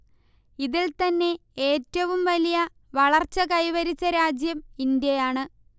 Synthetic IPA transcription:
iðilt̪ɐnːe̞eːtːɐʋumʋɐlijɐ | ʋɐɭɐrt͡ɕːɐkɐjʋɐɾit͡ɕːɐɾaːd͡ʑjɐmind̪jɐjaːɳɨ

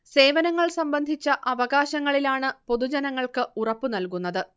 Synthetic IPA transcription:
se̞ːʋɐnɐŋːɐɭsɐmbɐnd̪ʱit͡ɕːɐʔɐʋɐɣaːɕɐŋːɐɭilaːɳɨpo̞ðud͡ʑɐnɐŋːɐɭkɨurɐpːɨnɐlkunːɐðɨ

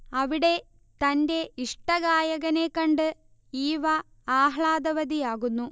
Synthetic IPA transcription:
ɐʋiɽe̞ | t̪ɐnde̞iʂʈɐɣaːjɐɣɐne̞kːɐɳɖɨ | iːʋɐ | aːɦɭaːd̪ɐʋɐd̪ijaːɣunːu

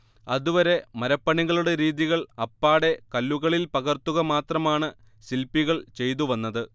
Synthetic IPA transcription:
ɐðuʋɐɾe̞mɐɾɐpːɐɳiɣɐɭuɽe̞ɾiːðiɣɐɭɐpːaːɽe̞kɐlːuɣɐɭilpɐɣɐrt̪ːuɣɐmaːt̪rɐmaːɳɨ | silpːiɣɐɭt͡ɕe̞jt̪̬uʋɐnːɐðɨ

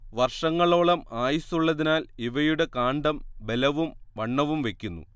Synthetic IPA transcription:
ʋɐrʂɐŋːɐɭo̞ːɭɐmaːjisuɭːɐðinaːliʋɐjuɽe̞kaːɳɖɐmbe̞lɐʋumʋɐɳːɐʋumʋe̞kʲːunːṵ

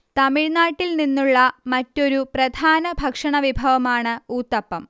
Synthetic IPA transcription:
t̪ɐmiɻnaːʈːilninːuɭːɐmɐtːo̞ɾuprɐd̪ʱaːnɐbʱɐkʂɐɳɐʋibʱɐʋɐmaːɳɨuːt̪ːɐpːɐm

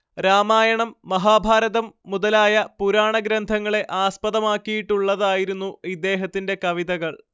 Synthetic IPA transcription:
ɾaːmaːjɐɳɐmːɐɦaːbʱaːɾɐðɐmːuðɐlaːjɐpuɾaːɳɐɡɾɐnd̪ʱɐŋːɐɭe̞ʔaːspɐðɐmaːkːijiʈːuɭːɐðaːjiɾunːuid̪ːe̞ːɦɐt̪ːinde̞kɐʋiðɐɣɐɭ

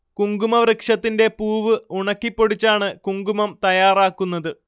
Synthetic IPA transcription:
kuŋɡumɐrɨkʂɐt̪ːinde̞puːʋɨuɳɐkːipːo̞ɽit͡ɕːaːɳɨkuŋɡumɐmt̪ɐjaːraːkːunːɐðɨ

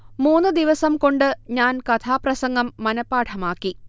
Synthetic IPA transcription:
muːnːɨd̪iʋɐsɐmko̞ɳɖɨɲaːnkɐt̪ʰaːprɐsɐŋɡɐmːɐnɐpːaːʈʰɐmaːkːi

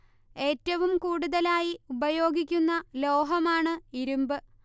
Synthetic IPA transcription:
e̞ːtːɐʋumkuːɽuðɐlaːjiubɐjo̞ːɡikʲːunːɐlo̞ːɦɐmaːɳɨiɾumbɨ

